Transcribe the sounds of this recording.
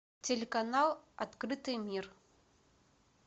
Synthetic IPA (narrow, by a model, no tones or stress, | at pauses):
t͡sʲɛlʲɛkanalˠa̰t̪kɾɨt̪ɨmʲir